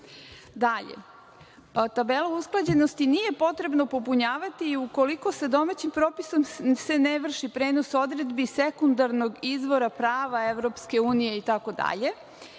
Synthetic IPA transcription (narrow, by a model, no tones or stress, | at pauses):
d̪aʎḛ | t̪abe̞lˠousklˠad͡ʑe̞no̞st̪inije̞po̞t̪ɾe̞bno̞po̞puɲaːʋat̪iːuko̞liko̞se̞d̪o̞mat͡ɕimpɾo̞ːpiso̞mse̞neʋr̩ʃipɾe̞ːno̞so̞d̪ɾe̞d̪bisekund̪aɾno̞ɡizʋo̞ɾapɾaːʋae̞ʋɾo̞pske̞uːnije̞it̪ako̞d̪a̰ʎe̞